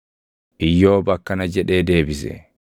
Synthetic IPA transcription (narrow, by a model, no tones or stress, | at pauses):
ʔɪjːoːbɐkːɐnɐd͡ʒɛᶑeːd̪eːbɪsɛ̰